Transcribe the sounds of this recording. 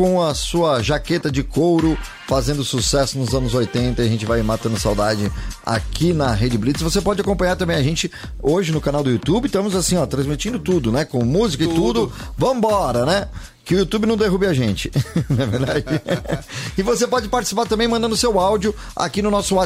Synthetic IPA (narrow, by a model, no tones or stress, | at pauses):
kõɐsuɐʒaket̪ɐd͡ʒɪkowɾʊ | fazẽnd̪ʊsusɛsʊnʊzɐ̃nʊzojt̪ẽnt̪ɐiaʒẽnt͡ʃɪvajmat̪ɐ̃nd̪ʊsawd̪ad͡ʒɪa̰kinɐɦed͡ʒɪblit͡ʃ̪svosepɔd͡ʒɪakõpɐ̃ɲaɾt̪ɐ̃mbẽj̃aʒẽnt͡ʃɪ | oʒɪnʊkanawd̪ʊjut̪ubɪt̪ɐ̃mʊzasĩɔt̪ɾɐ̃zmit͡ʃĩnd̪ʊt̪ud̪ʊnɛkõmuzikɐɪt̪ud̪ʊvɐ̃w̃bɔɾɐnɛ | kɪʊut̪ubɪnɐ̃w̃d̪eɦubɪaʒẽnt͡ʃɪ̥nɐveɾd̪ad͡ʒɪ | ɪvosepɔd͡ʒɪpaɾt͡ʃisi̥paɾt̪ɐ̃mbẽj̃mɐ̃nd̪ɐ̃d̪ʊsewawd͡ʒiʊ | a̰kinʊnɔsʊa